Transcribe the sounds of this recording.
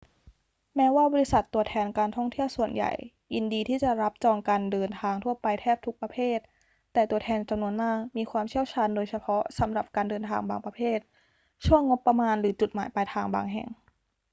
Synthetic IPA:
mɛː˦˥waː˥˩bɔː˧ɾi˦˥sa˨˩t̪ːu˧˩ɐt̪ʰɛː˧nkaː˧nt̪ʰɔ˥˩ŋt̪ʰi˥˩əwsu˨˩ənja̰˨˩j | ʔi˧ndiː˧t̪ʰiː˥˩t͡ɕa˨˩ɾa˦˥p̚t͡ɕɔː˧ŋkaː˧ndɤː˧nt̪ʰaː˧ŋt̪ʰu˥˩ɐpa˧jt̪ʰɛː˥˩p̚t̪ʰu˦˥k̚pɾa˧pʰeː˥˩t̪̚ː | ɛː˨˩t̪u˧ət̪ʰɛː˧nt͡ɕa˧mnu˧ənmaː˥˩k̚miː˧kʰwaː˧mt͡ɕʰi˥˩əwt͡ɕʰaː˧ndoː˧jsa˧pʰɔ˦˥sa˩˦mɾa˨˩p̚kaː˧ndɤː˧nt̪ʰaː˧ŋbaː˧ŋpɾa˧pʰeː˥˩t̪̚ | t͡ɕʰu˥˩əŋːo˦˥pːa˧maː˧nɾɯː˩˦t͡ɕu˨˩t̪̚maː˩˦jpa˧jt̪ʰaː˧ŋba̰ː˧ŋɦɛ̰˨˩ŋ

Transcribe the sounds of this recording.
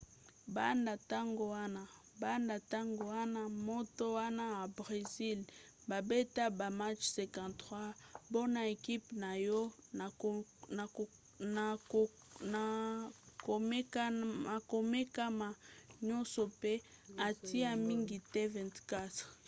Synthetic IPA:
ba˦nda˨ta˦ŋɡo˨wa˦na˨ | ba˦nda˨ta˦ŋɡo˨wa˦na˦mo˦to˦wa˦na˦a˨bʁe˨zi˦l | ba˨be˦ta˦ba˨ma˦t͡ʃsɛ̃˨kã˨ntχwa˦bo˦na˨e˨ki˦pna˨jɔ˦˨ | na˨ | a˨km˦ka˨ko˨me˦ka˦ma˨ɲɔ̃˦nsɔ˨pe˦a˨ti˦a˦mi˦ŋɡi˨tɛ˦vɛ̃˨ntka˦t

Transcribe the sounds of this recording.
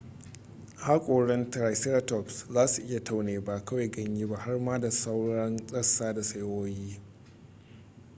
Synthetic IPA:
haː˦kʷʼoː˨ɽɛ˦nta˨jsɛ˦ɾa˦tɔ˨pszaː˦su˨ʔɪ˦ja˨tʰa˦wneː˨ba˦˨kɐ˦wa˨jɡɐ˦ɲjiː˦ba˦ha˦rmaː˦da˨sa˦wɽɐ˦nsʼɐ˦sːaː˦da˨sɐ˦jwoː˦jiː˦

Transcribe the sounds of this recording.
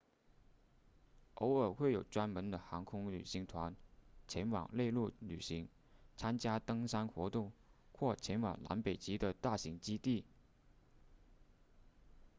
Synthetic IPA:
ʔo˧˥ʊə˞˨˩xwe˥˩ɪjo˨˩ʊʈ͡ʂwa˥nmə˧˥nd̪ə˧xɑ˧˥ŋkʰʊ˥ŋly˨˩ɕi˧˥ŋt̪ʰwa˧˥nt͡ɕʰjɛ˧˥nwɑ̰˨˩ŋle˥˧ɪlu˥˩ly˨˩ɕi˧˥ŋ | t͡sʰa˥nt͡ɕja˥t̪ɤ˥ŋsa˥nxwɔ˧˥t̪ʊ˥˧ŋxwɔ˥˩t͡ɕʰjɛ˧˥nwɑ̰˨˩ŋla̰˧˥npe˨˩ɪt͡ɕi˥d̪ə˨t̪a˥˩ɕi˧˥ŋt͡ɕi˥t̪i˥˩

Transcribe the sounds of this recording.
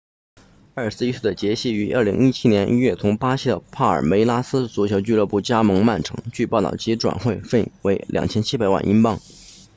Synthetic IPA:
ə˞˥˩sɹ̩˥˧i˥ʂu˥˩d̪ə˩t͡ɕjɛ˧˥ɕi˥˩y˧˥ʔə˞˥˩li˧˥ŋi˥t͡ɕʰi˥njɛ˧˥nʔi˥ɥɛ˥˩t̪ʰʊ˧˥ŋpa˥ɕi˥d̪ə˨pʰa˥˩ə̰˞˨˩me˧˥ɪla˥sɹ̩˥t͡su˧˥˩t͡ɕʰjo˧˥ʊt͡ɕy˥˧lɤ˥˧pu˥˩t͡ɕja˥mɤ˧˥ŋma˥˩nʈ͡ʂʰɤ˧˥ŋt͡ɕy˥˧pɑ˥˧t̪ɑ̰˥˩ʊt͡ɕi˧˥ʈ͡ʂwa̰˨˩nxwe˥˧ɪfe˥˩we˧˥ɪlʔjɑ̰˨˩ŋt͡ɕʰjɛ˥nt͡ɕʰi˥pa˨˩ɪwa̰˥˩nʔi˥npɑ˥˩ŋ

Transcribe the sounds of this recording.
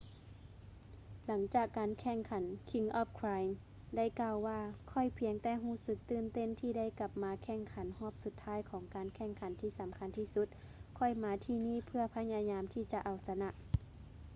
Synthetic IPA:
la˩˦ŋt͡ɕaː˨˩kːaː˨nkʰɛː˧˩ŋkʰa˨˦nkʰi˧ŋʔɔː˧˩p̚kʰaː˧jm | da˥˩˨jkaː˧˩wːaː˧kʰɔ˧˩jpʰi˧˦əŋt̪ɛː˧ɦuː˧˩sɯ˧k̚t̪ɯː˧˩˨nt̪e˧˥˨nt̪ʰiː˧˩da˥˨jka˧˦p̚maː˨˦kʰɛː˧˩˨ŋkʰa˨˦nhɔː˧˥˩p̚su˨˧˦t̪ʰːaː˧˥˨jkʰɔː˩˦ŋkaː˨nkʰɛ˧˩ŋkʰa˨˦nt̪ʰiː˧˩sa˨˦mkʰa˧˥nt̪ʰiː˧˩su˧˦t̪̚ | kʰɔ˧˩jmaː˨˦t̪ʰiː˧˨niː˧˥˩pʰɯ˧ɐpʰa˧ɲa˧ɲaː˧˦mt̪ʰiː˧˩t͡ɕa˧˦ʔa˨˩wsa˧na˧ʔ

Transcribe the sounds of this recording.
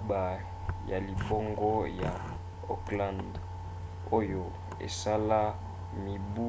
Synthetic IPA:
ba˨ | ja˨li˨bo˦ŋɡɔ˦ja˨ | o̰˨klã˦˨nd | o˦jo˨ | ḛ˨sa˦la˦ | mi˨bu˦

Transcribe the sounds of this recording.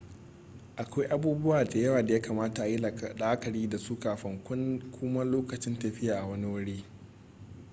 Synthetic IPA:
ʔa˨kʷa˦jʔa˦buː˦bʊ˦waː˨da˨jɐ˦waː˨da˨jaː˦kaː˨maː˦ta˨ʔa˨ji˦la˨kɗaː˦kɐ˨ɽiː˦da˨suː˦kaː˨ɸɐ˦ŋkʷʊ˦nkʷʰʊ˦mɐ˦loː˦kɐ˨t͡ʃɪ˦ntɐ˨ɸɪ˦jaː˨ʔa˨wɐ˦ni˦wɐ˦ɽeː˦

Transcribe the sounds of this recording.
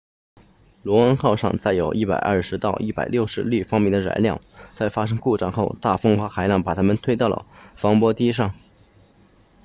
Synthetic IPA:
lwɔ˧˥ɑ˥ŋxɑ˥˧ʊʂɑ̰˥˧ŋt͡sa˥˩ɪjo˨˩ʊʔi˥˩pa̰˨˩ɪʔɐə̰˥˩ʂɻ̩˧˥t̪ɑ˥˧ʊʔi˥˩pa˨˩ɪljo˥˩ʊʂɻ̩˧˥li˥˩fɑ˥ŋmjɛ˥˩nd̪ə˩ɻa̰˧˥ɪljɑ̰˥˩ŋt͡sa˥˩ɪfa˥ʂ̬ɤ˥ŋku˥˧ʈ͡ʂa˥˧ŋxo˥˧ʊt̪a˥˩fɤ˥ŋxwa˧˥xa˧˥ɪljɑ˥˩ŋpa˨˩t̪ʰa˥mə˨nt̪ʰwe˥ɪt̪ɑ˥˩ʊlə̰˩fɑ˧˥ŋpwɔ˥t̪i˥ʂ̬ɑ˥˩ŋ

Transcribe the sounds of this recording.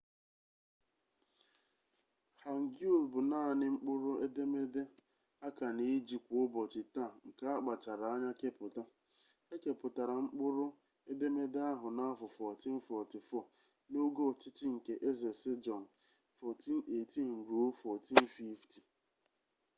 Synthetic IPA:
ha˨ŋ̩˨ɡu˦˨lbʊ˨na˦˨nɪ˦ŋ͡m̩˦k͡pʊ˦ɾʊ˦e˦de˦me˦de˦ | a˦ka˨ni˨˦d͡ʒi˨kʷʊ˦bɔ˨t͡ʃɪ˨ta˦˨ŋ̩˨ka˦a˦k͡pa˨t͡ʃa˨ɾa˨a˦ɲa˦ke˦pʊ˨ta˦ | e˦ke˨pʊ˨ta˨ɾa˨ŋ͡m̩˦k͡pʊ˦ɾʊ˦ | e˦de˦me˦de˦a˦ɦʊ˨na˦fʊ˨fɔ˨ti˦n̩˦fɔ˨ti˨fɔ˦˨ | no˦ɡo˦˨t͡ʃɪ˦t͡ʃɪ˦ŋ̩˨ke˨ʔe˦ze˨sɪ˦d͡ʒɔ˨n̩˨ | fɔ˨ti˦n̩˦e˨ti˦˨ŋ͡m̩˨ɾu˨o˦fɔ˨ti˦n̩˦fi˦fti˨

